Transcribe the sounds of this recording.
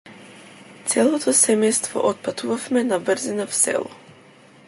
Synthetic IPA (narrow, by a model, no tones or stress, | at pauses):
t̪sɛlˠɔt̪ʰɔsɛmɛjst̪vɔ̰ʔɔt̪̚pat̪ʰuvafmɛnavr̩zinafsɛ̰lˠɔ̰